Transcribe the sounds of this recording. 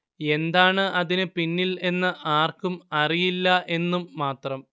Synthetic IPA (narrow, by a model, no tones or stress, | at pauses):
e̞nd̪aːɳɨʔɐðinɨpinːile̞nːɨʔaːrkumɐrijilːɐe̞nːumːaːt̪rɐm